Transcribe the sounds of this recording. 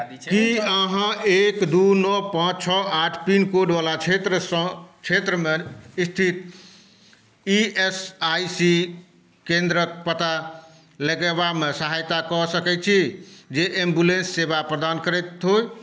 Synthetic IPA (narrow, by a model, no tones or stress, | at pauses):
kiəɦãekd̪unɔpãt͡ʃt͡ʃʰɔaʈʰpinkoɖʋalat͡ʃʰet̪ɾəsə̃t͡ʃʰet̪ɾəmeist̪ʰit̪ | iesajsi | kẽnd̪ɾəkpət̪a | ləɡeβamesəɦajt̪akɔsəkɛt͡ʃʰid͡ʒeʔembulẽnsːebapɾəd̪ankəɾɛt̪ɦoj